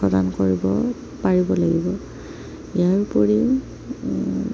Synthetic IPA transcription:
ɔdankoɹibɔ | paɹibɔlaɡibɔ | ijaɹpoɹi

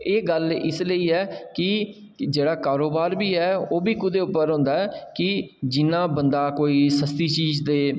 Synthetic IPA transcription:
eːɡəlɪsləiːɛːkɪ | d͡ʒeːɽaːkaːɾoːbaːɾbiːɛːoːbiːkʊd̪eːʊpːəɾɦʊ̃nd̪aːɛːkɪd͡ʒɪnːãːbənd̪aːkoːiːsəst̪iːt͡ʃiːzd̪eː

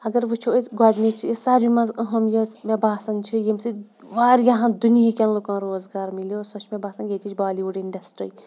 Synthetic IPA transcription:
ɐɡɐɾʋɨt͡ʃʰuesɡaːɖnit͡ʃʰisaɾimɐ̃zɐɦɐmjɐsʋɐbaːsɐnt͡ʃʰijimsi | ʋaːɾjaɦɐ̃d̪unijikʲɐnlokãːnɾoːzɡaːɾmiljosɐt͡ʃʰmʲebaːsɐnɡet̪ʰit͡ʃʰbaːliʋuɖiɳɖɐsʈɾiː

